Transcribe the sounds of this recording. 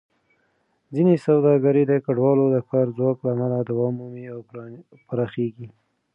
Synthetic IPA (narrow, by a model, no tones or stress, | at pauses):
d͡zinesawd̪ɑɡaɾid̪əkaɖwɑlod̪əkɑɾzwɑklaːmalad̪awɑmumiaw | paɾɑxeɡi